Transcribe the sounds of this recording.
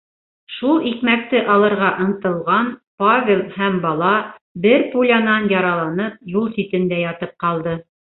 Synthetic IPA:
ʃulˠikmæk̚t̪ɘʔɑlˠɤ̆ɾʁɑʔɤ̆ɴt̪ɤ̆lˠʁɑnpavʲelˠhæmbɑlˠɑbɘɾpulʲanɑnjɑɾɑlˠɑnɤp̚julˠsit̪ɘ̆nd̪æjɑt̪ɤp̚qɑlˠd̪ɤ

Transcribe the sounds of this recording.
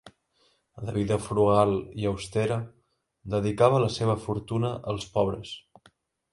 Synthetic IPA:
ləβ̞iðəfɾuɣalˠiəwst̪ɛɾə | d̪əðikaβələseβ̞əfuɾt̪unəʔəlˠspɔβ̞ɾəs

